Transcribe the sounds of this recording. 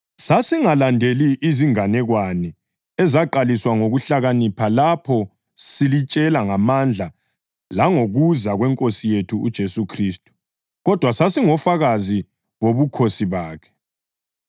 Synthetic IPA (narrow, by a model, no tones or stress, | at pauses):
sasiŋalandʱeliʔːziŋanɛɣwanɛ | ɛzaǃaliswaŋoɣuɬaɣanipʰalapʰɔ | silit͡ʃʼɛlaŋamand͡ɮʱa | laŋoɣuzaɣwɛŋkʼosijetʰuud̥ʒ̥ʱesukʰriːstʼu̥ | ɣɔd̥ʱwasasiŋɔfaɣazi | woβukʰosiβaːkʰɛ̥